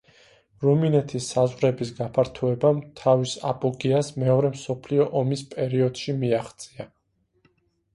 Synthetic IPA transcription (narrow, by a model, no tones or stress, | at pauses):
ɾuminɛt̪ʰisːazʁɾɛbis̬ɡapʰaɾt̪ʰuɛbamt̪ʰavisa̰pʼɔɡiasmɛɔɾɛmsɔpʰliɔʔɔmispʼɛɾiɔd̪̥ʃimiaχt̪sʼia